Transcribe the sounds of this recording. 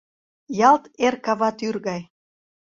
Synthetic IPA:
jɑlt̪erkɑβɑt̪yrɣɑj

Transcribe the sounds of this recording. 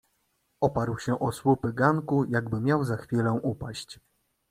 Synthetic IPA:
ɔpaɾwɕɛʔɔswupɘɡaŋkujaɡbɘmʲjawzaxfʲilɛ̃ʔupaɕt͡ɕ

